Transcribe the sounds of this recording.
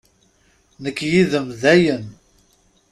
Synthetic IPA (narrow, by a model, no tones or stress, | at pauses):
nəkːjiðəmðæjən